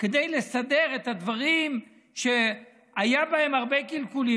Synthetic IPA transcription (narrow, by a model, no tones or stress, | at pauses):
ked̪ejle̞sade̞ʁe̞t̪ad̪vaʁim | ʃe | ajabae̞maʁbe̞kilkuli